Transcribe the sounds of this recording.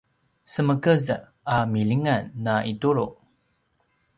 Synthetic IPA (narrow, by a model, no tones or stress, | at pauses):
səməkəz | amiliŋanːaʔituɾuʔ